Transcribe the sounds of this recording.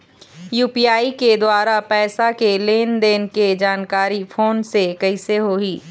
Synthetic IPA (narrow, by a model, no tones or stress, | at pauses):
juːpiːaːiked̪waːɾapɛːsakeleːnd̪eːnked͡ʒaːnkaːɾifʰoːnsekɐɪseɦoːɦiː